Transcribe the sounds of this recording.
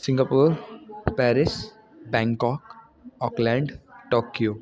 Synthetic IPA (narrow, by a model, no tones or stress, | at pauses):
sɪ̃ŋɡapuːɾpɛːɾɪs | bɛ̃ŋkɔːk | ɔːklɛ̃ɳɖʈoːkjoː